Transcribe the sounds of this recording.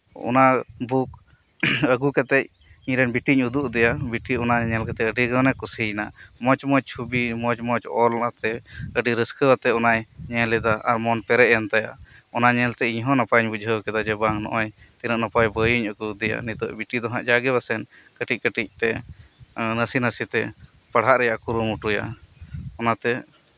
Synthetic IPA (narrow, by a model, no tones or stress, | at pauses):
ɔ̰nabʱuk̚ | əɡukat̪ɛc̚ | iɾɛnbiʈiɲud̪uʔd̪ɛjabiʈiɔnaɲɛlkat̪ɛəɖiɡənɛkusinamɔt͡ʃmɔt͡ʃ̚t͡ʃʰubimɔt͡ʃmɔt͡ʃɔlat̪ɛəɖiɾəskəwat̪ɛɔnajɲɛlɛd̪aʔaɾmɔnpɛɾɛʔjant̪aja̰ɔnaɲɛlt̪ɛiɲɦɔ̃napaɲbud͡ʒʱəwkɛd̪ad͡ʒɛbaŋnɔ̰ʔɔj | t̪inəʔnapajbəjuɲəkud̪ɛja̰nit̪ɔʔbiʈid̪ɔɦãʔd͡ʒaɡɛβasɛnkəʈic̚kəʈic̚t̪ɛ | nəsinəsit̪ɛ̰ | pəɽ̤aʔɾɛjaʔkuɾumuʈuja̰ | ɔnat̪ɛ